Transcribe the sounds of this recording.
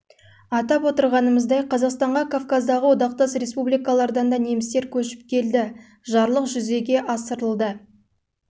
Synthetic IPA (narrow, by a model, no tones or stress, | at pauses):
ɑt̪ɑpwo̞t̪əɾʁɑnəməzd̪ɑjqʰɑzɑqst̪ɑɴʁɑkʰavkazd̪ɑʁəwod̪ɑq̚t̪ɑsɾe̞spublijkalˠɑɾd̪ɑnd̪ɑne̞mɪst̪e̞ɾkʲʰɵʃɪ̥p̚kʲʰe̞ld̪ɪ | ʒɑɾlˠəqʒʏze̞ɡʲe̞ʔɑsəɾəlˠd̪ə